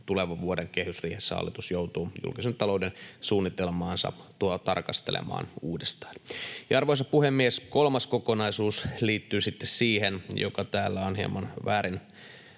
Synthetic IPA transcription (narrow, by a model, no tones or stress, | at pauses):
t̪uleʋɑʋuodeŋkehysriːhesːæɑ̰lːit̪usjout̪uːjṵlkisent̪ɑloudensuːnːit̪elmɑːnsɑ̰t̪uot̪ɑ̰rkɑst̪elḛmɑ̰ːnuːdest̪ɑ̥ːnjɑɑrʋoisɑpuhemːieskolmɑskokonɑisuːsliːt̪ːyːsit̪ːessiːhenjo̰kɑt̪æːlːæonhiḛmɑnʋæːɾin